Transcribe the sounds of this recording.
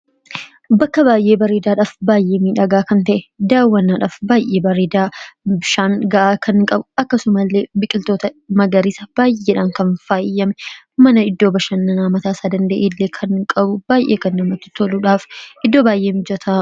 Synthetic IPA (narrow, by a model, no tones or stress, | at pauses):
bɐkːɐbaːjʔe̞ːbɐɾeːd̪aːᶑaːfbaːjʔeːmiːᶑɐɡaːkɐnt̪ɐʔɛd̪aːwːɐnːaːᶑaːfbaːjʔːe̞ːbɐɾeːd̪aːbɪʃaːŋɡɐʔaːkʰɐnkʼɐbʊɐkːɐsʊmɐlːeːbɪkʼɪlt̪o̞ːt̪ɐmɐɡɐɾiːsɐb̥aːjʔeːᶑaːŋkɐnfaːɪjːɐmɛ | mɐnɐɪd̪ːo̞ːbɐʃɐnːɐnaːmɐt̪aːsaːd̪ɐnd̪ɐʔeːlːeːkʰɐnkʼɐbʊb̥aːjʔeːkɐnːɐmɐt̪ːɪ̥t̪ɔluːᶑaːfʔɪd̪ːoːbaːjʔeːmɪd͡ʒɐt̪ʰa